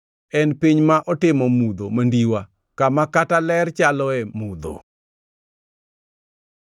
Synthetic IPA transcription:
ɛnpiɲmaʔɔtɪmɔmud̪omandiwa | kamakatalɛrt͡ʃalɔɛmud̪o̰

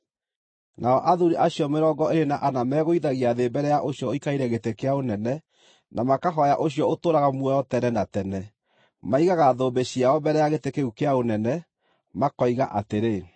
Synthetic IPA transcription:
nʔaɔʔaðuɾiʔaɕiɔmeɾɔːɡɔʔeɾenaʔanamɛːɣoiðaɣiaðebɛɾɛjaʔoɕijɔoikaiɾɛɣetekeaonɛnɛ | nʔamakaɦɔjaʔoɕiɔotoːɾaɣamuɛjɔtɛnɛnatɛnɛ | maiɣaɣaðoːbeɕiaɔbɛɾɛjaɣetekeukeaonɛnɛ | makɔiɣaʔateɾe

